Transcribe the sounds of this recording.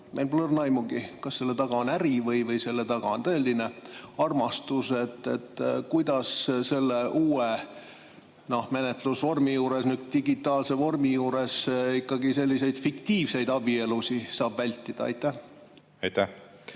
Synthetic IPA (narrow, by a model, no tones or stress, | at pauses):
mejlplornɑjmuɡ̥ikɑsse̞lːet̪ɑɡ̥ɑonæɾivɤjvɤjse̞lːe̞t̪ɑɡ̥ɑ̰ont̪ɤelʲːine̞ɑrmɑst̪use̞t̪ːˑe̞̰t̪ːkujd̪̥ɑsse̞lːe̞ʔuːe | no̞hmenet̪ˑlusvo̞rmijuːɾe̞snyk̪t̪iɡit̪ːˑɑːlse̞vo̞rmijuːɾe̞sikːɑɡise̞lʲːise̞jd̪̥fikt̪iːvse̞jd̪̥ɑb̥ie̞lusisɑːb̥vælʲt̪ːˑid̪̥ɑ̰ɑ̰jt̪ːæh | ɑjt̪æh